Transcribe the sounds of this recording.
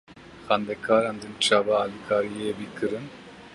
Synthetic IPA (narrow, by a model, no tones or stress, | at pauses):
xand̪ɛkʰaːɾand̪ɯnt͡ʃʰaːbaːlikʰaːɾijebikʰɨɾɯn